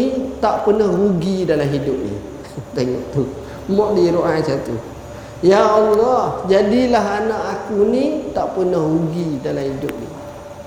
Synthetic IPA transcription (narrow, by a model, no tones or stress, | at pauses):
it̪aʔpənahruɡidalamɦidʊp̚nḭ | t̪eŋɔ̰ʔt̪u | mɔʔdiɾoʔajsat̪ṵ | jaɔlːɔhd͡ʒadilaɦanaʔakunit̪aʔpənahruɡidalamhidʊp̚nḭ